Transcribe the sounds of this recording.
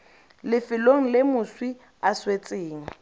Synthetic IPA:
lɪfɪloŋ̩lɪmʊswi | aswet͡sʼɪːŋ̩

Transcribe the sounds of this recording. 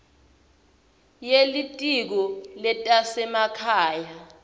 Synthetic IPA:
jelitʼik̬ɔlɛtʼasɛmakʰaːja

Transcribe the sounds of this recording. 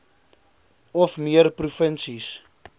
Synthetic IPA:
ɔfmiərprufənsis

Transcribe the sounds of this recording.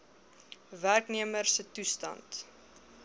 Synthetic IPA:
værkniəmərsətustɐ̰nt

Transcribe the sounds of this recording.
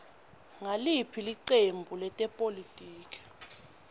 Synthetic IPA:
ŋalipʰiliǀembʱulɛtʼɛpʼolitʼiːkʰʼɛ̥

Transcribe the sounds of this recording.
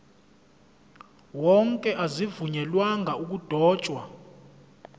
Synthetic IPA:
wɔŋkʼɛʔazivuɲɛlwaŋʱauk̬ud̥ʱɔːt͡ʃʼwa

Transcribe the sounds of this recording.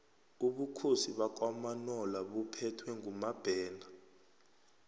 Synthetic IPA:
uɓukʰosiɓak̬ʼwamanɔlaɓupʰɛtʰwɛŋumab̥ʱɛːna

